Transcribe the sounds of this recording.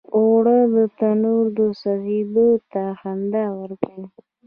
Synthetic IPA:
oɽəd̪ət̪anuɾd̪əsaɣed̪ot̪axand̪awəɾkai

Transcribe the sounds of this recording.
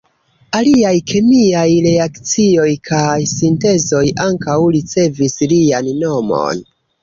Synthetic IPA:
aliajkʰemiajɾe̞akt͡sio̞jkʰajsinte̞zo̞jaŋkawɾit͡se̞vislianːo̞mo̰n

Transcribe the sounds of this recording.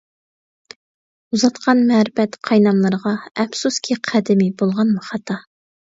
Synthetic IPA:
uzɑt̪qʰɑnmɛɾɪfɛt̪qʰɑjnɑmlˠɨɾʁɑɛfsuskʲʰiqʰæd̪ɪmibolˠʁɑnmɑχɑt̪ʰɑ

